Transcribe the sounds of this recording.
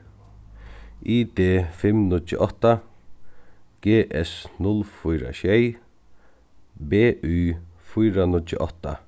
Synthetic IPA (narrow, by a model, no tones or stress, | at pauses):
iːd̪eːfɪmnʊt͡ʃə̰ʔɔht̪a | ɡ̥eːʔɛsnʊlfʊjɾa̰ɕɛj | beːʔyːfʊjɾanʊt͡ʃə̰ʔɔht̪a̰